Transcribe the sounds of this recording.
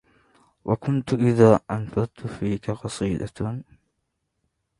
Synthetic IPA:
wʔakʊnt̪ʊʔɪðaːʔanfɑɾˤt̪ʊfiːkaqɑsˤiːd̪a̰

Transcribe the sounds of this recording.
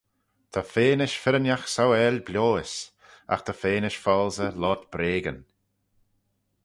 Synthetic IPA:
t̪ʰafeːnɪʃfɪɾənjaxsawɛlʲblʲoːɪs | a̰xt̪ʰafeːnɪʃfɔlzəlɔt̪b̥ɾeːɡən

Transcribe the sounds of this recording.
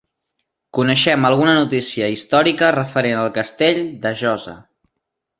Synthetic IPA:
kunəʃɛməlˠɣunənut̪isiəist̪ɔɾikərəfəɾenəlˠkəst̪eʎd̪əʒɔzə̰

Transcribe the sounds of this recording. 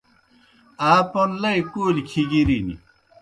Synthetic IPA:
aːponlɐikuːlkʰiɡiɾinḭ

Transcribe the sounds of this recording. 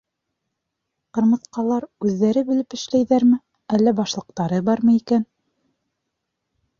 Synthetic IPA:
qɤ̆ɾmɤ̆θqɑlˠɑɾʉðːæɾɘbɘ̆lɘpɘ̆ʃlæjðæɾmɘ | ælːæbɑʃlˠɤ̆q̚t̪ɑɾɤbɑɾmɤikæn

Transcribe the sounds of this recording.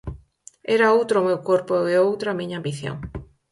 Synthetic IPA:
eɾaowt̪ɾomewkoɾpoeowt̪ɾamĩɲaːmbiθjo̰ŋ

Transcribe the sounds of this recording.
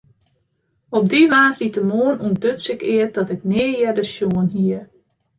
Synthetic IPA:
ɔp̚diʋaːzditəmoənuəndøtsɪkɪət̚d̥ɔtɪknɪəjɛdəsjoənɦiə

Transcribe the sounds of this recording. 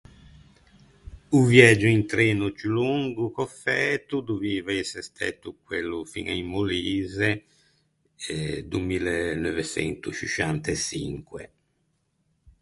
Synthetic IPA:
uvjɛd͡ʒuint̪ɾɛːnut͡ʃuluŋɡukofːɛːt̪ud̪uviːvaisest̪ʰɛ̰t̪ːukwelːufḭŋaimːoliːze | d̪umilenovet͡ʃɛ̰nt̪ut͡ʃit͡ʃant̪esḭŋkwḛ

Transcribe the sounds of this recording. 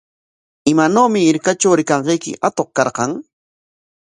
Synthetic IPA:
ɪmanoːmɪːɾkat͡ʃawɾɪkɑɴɢejkɪ̰ʔat̪oχkɑɾqɑŋ

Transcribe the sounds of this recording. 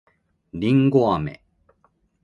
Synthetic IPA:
ɾʲĩŋɡoamḛ

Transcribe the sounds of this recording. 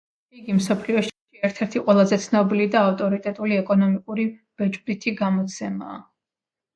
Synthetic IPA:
iɡimsɔpʰliɔʃʃiɛɾt̪ʰɛɾt̪ʰiqʼwɛlˠazɛt̪sʰnɔbilid̪aːft̪ʼɔɾit̪ʼɛt̪ʼuliɛkʼɔnɔmikʼuɾib̥ɛd͡ʒbɾit̪ʰiɡamɔt̪sʰɛma̰ː

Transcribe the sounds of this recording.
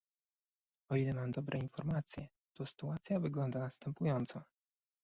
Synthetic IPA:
ɔilɛmamd̪ɔbɾʔɛinfɔɾmat̪sʲjɛ | t̪ɔsɘ̥t̪uat̪sʲjavɘɡlɔnd̪anast̪ɛmpujɔnt̪sɔ

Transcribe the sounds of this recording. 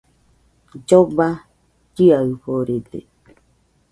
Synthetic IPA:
d͡ʒoba | d͡ʒiaɯɸoɾed̪ḛ

